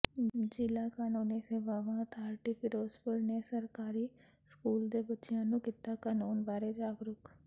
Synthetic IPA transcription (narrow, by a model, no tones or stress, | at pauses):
d͡ʒɪlakaːnoːnesebaːʋãt̪ʰaːɾʈifʰɪɾoːspʊɾnesɐɾkaːɾi | skuːld̪ebɐtːʃjaːnõkɪt̪ːakaːnoːnbaːɾed͡ʒaːɡɾʊk